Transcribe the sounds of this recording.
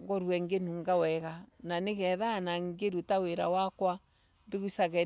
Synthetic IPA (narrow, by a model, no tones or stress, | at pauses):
ŋɡɔɾwɛŋɡenuŋɡawɛɣananeɣɛðanaŋɡeɾutaweɾa̰wakwa | mbeɣusaɣɛ